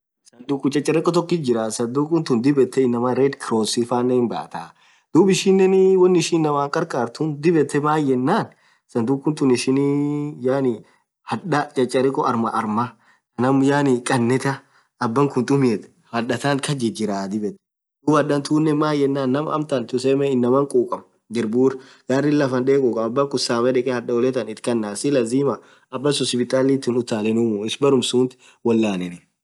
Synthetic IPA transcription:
sɐnd̪ukːʊt͡ʃʼɐt͡ʃʼːɐɾɛkʼːɔt̪̬ɔkːɪd͡ʒɪɾasɐd̪ukʼʊnt̪ʊnd̪ɪbɛt̪ːɛɪnːɐmɐɾeːd̪kɪɾoːsifaːnːɛmbɐ̰ʔɐ̰t̪a | d̪̥uːbɪʃinːɛnwɐnːɪɪʃiːnːɐmaːŋkʼɐɾkʼaːɾt̪ʊnd̪ɪbɛt̪ːɛmaːjːɛnːaːn | sɐnd̪ukːʊnt̪ʊnɪʃɪnjaːnɪ | hɐᶑɐt͡ʃʼɐt͡ʃʼːɐɾɛkʼːɔʔɐɾmɐʔɐɾmɐ | kɐnɐmjaːnɪkʼɐnːɛt̪ɐ | ɐbːɐŋkʊnt̪ʼʊmɪɛt̪ | hɐᶑɐt̪aːŋkɐd͡ʒɪd͡ʒɪɾaːd̪ɪbɛt̪ | d̪ʊbɐɗɐnt̪uːnːɛmaːjɛnːaːnːɐmɐ̰mt̪ɐnt̪ʊsɛmɛɪnːɐmɐŋkʼuːkʼɐm | ɡ̪ɪɾbuːɾɡ̥arːɪlːɐfɐnd̪eːkʼuːkʼɐɐbːɐŋkʊsaːmɛᶑɛkʼɛhɐᶑɐɔlɛt̪ɐnɪt̪kɐnːaːsɪlɐziːmɐ | ɐbːɐsɔspɪt̪ʼaːlit̪ːɪnʊt̪ːaːlɛnʊmuɪsbɐɾʊmsuːnt̪ɪ̥ | wɔlːaːnɛnɪ

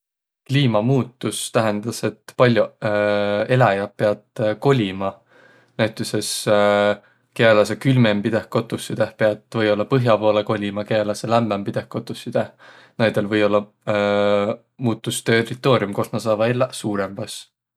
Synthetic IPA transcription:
kliːmɑmuːt̪ːˑust̪æɦend̪̥ɑse̞t̪pɑlʲju | e̞læjɑpe̞ɑd̪̥ko̞lʲimɑ | næɥt̪ːˑese̞s | kelɑs̬ekylmempid̪̥ehkot̪ːˑusːid̪̥ehpeɑd̪̥vɤjo̞lːɑpɤɦjɑpo̞ːleko̞lʲimɑkelɑselæmbempid̪̥e̞hkot̪ːˑusːid̪̥eh | næjd̪̥e̞lvɤ̞jo̞lːɑ | muːt̪ːˑust̪erit̪ːˑo̞ːɾjumko̞snɑsɑːvɑelsuːɾemb̥ɑs

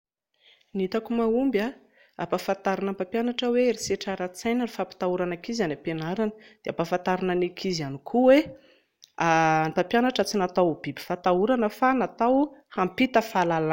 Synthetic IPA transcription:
nit̪akumaumba | apafant̪aɾinampapjanaʈ͡ʂəweɾiseʈ͡ʂaɾat͡sajnənifapi̥t̪auɾanakizanapenaɾanəd̪̥eapafant̪aɾinanikʰizianikʰuwe | amipapjanaʈ͡ʂət͡sinat̪awb̥ibi̥fat̪auɾanəfanat̪awhampit̪əfalala

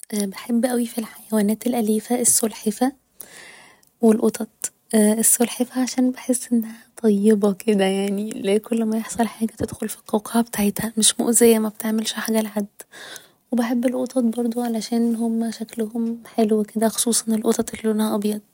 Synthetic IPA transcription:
ʔbeħebːʔæwifilħajæwæːnæːt̪elʔæliːfæʔesːolħefæ | welʔot̪ɑt̪ˤː | esːolħefæʕaʃæːnbeħesːʔenːæhæt̪ˤɑjːebɑkʰed̪æjaʕnilekolːæmæjeħsˤɑlħaːɡæt̪ed̪̥xolfi̥t̪ːɑwqɑʕæbet̪aʕet̪hæmeʃmo̰ʔzejːæmæb̚t̪eʕmelʃoħaɡælʕad̪ | webeħebːelʔot̪ɑt̪̚ˤbɑɾˤd̪ˤoʕalæʃæːnɦomːæʃæklohomħeluweked̪æxo̥sˤuːsˤɑnelʔot̪ˤɑt̪ˤelːiʔonːhæʔɑbjɑd̪̚ˤ

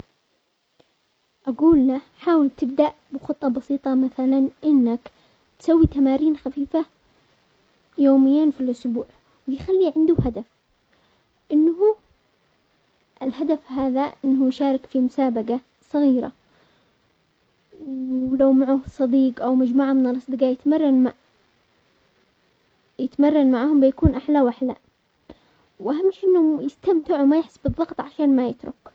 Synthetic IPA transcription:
ʔaɡuːlːa | ħaːwɪlt̪ɪb̚d̪aʔ | bɪxʊt̪ˤːɑbɑsiːt̪ˤɑmaθalanʔɪnːak | t̪sawːit̪amaːɾiːnxafiːfa | joːmɪjːanfilʔʊsbuːʕ | wɪjxalːiʕɪnd̪ʊɦad̪af | ʔɪnːhu | ʔɪlɦad̪afhaːðaʔɪnːhʊjʃaːɾˤɪkfimʊsaːbaɡa | sˤɑɣiːɾa̰ | wlawmaʕuːhsˤɑd̪iːqʔawmad͡ʒmuːʕamɪnɑlˤɑsˤd̪ɨɡajɪt̪mɑrˤːɑnma | jɪt̪marˤːɑnmaʕaːhʊmbɪjakuːnʔaħlawʔaħla̰ | wʔahamːɪʃʔɪnːhʊjɪst̪amt̪ɪʕwmajɪħsːbɨðˤːɑɡt̪ˤʕaʃaːnmajɪt̪ɾʊ̰k

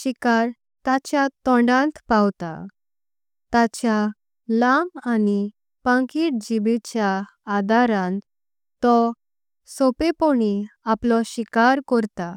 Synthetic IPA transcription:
ɕikaɾ | t̪at͡ɕjat̪ɔ̃ɳɖãnt̪pawt̪a̰ | t̪at͡ɕja | lamani | pãŋkiːʈ̚d͡ʑibet͡ɕjaː | d̪aɾãnt̪ | t̪ɔ | sopepoɽiaplɔɕikaɾkɔɾt̪a

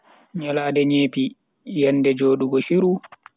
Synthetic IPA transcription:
ɲalaːdɛɲeːpi | jɛnːdɛd͡ʒoːɗuɡɔʃiɾu

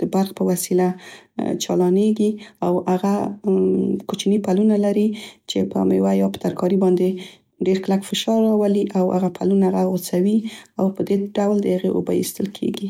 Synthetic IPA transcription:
d̪̥əbaɾxpəwasilat͡ʃɑlɑneɡiawaɣa | kot͡ʃinipalunalaɾit͡ʃepəa̰mḛwajɑpə̥t̪aɾkɑɾibɑnd̪e | ɖeɾklakfɪʃɑɾɑwaliʔawha̰ɣapʰalunaɣaɣot͡sawiawpəd̪eɖawld̪əhaɣeʔo̰bajḭst̪əlkʰḛɡi

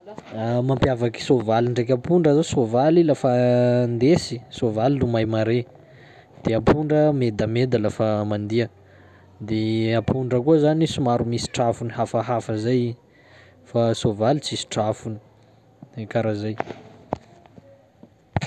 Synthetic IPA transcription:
amampjavaki̥sovaliɳɖ͡ʐek̬ʲapuɳɖ͡ʐəzosovalilafand̪esi̥sovalilumajmaɾe | d̪̥eapʰuɳɖ͡ʐəmed̪amed̪alafamand̪iə | d̪eapʰuɳɖ͡ʐəkuəzanisumaɾumisi̥ʈ͡ʂafuniɦafaɦafəzaj | fasovalit͡sisi̥ʈ͡ʂafuni̥ | kaɾazaj

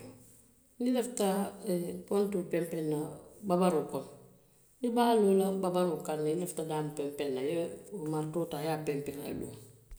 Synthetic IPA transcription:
nilefta | kontupempenːababaɾukon | nibaːlulababaɾukanːileftadampempenːajeumaɾtotajapempenaḛdṵːm

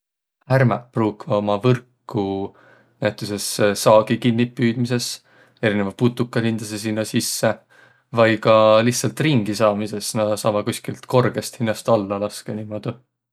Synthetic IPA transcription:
hhærmɑpruːkvɑo̞mɑvɤrkː | u | næjt̪ːˑuse̞sːɑːɡ̥ikinːipːyːd̪̥mise̞s | e̞ɾine̞vɑput̪ːukːˑɑhind̪̥ɑs̬es̬inːɑsisːe | vɑjkɑlihtsɑlt̪ˑriŋɡisɑːmise̞snæd̪̥ɑsɑːmɑkusʲkilt̪ko̞rɡ̥e̞st̪hinːɑst̪ɑlːɑlɑskeniːmo̞d̪̥u

